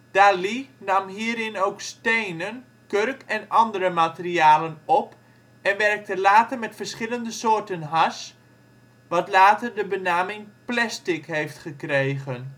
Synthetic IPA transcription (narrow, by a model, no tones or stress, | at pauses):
d̥aːlinɑmɦiːəɾɪnowkstejnən | kørkɛnɑndəɾəmatəriaːlənɔp | ɛnʋɛrk̚təlaːtərmɛtfərsχɪləndəsoːrtənɦas | ʋɑtlaːtərdəbənaːmɪŋplɛstɪkɦejftχəkrejɣən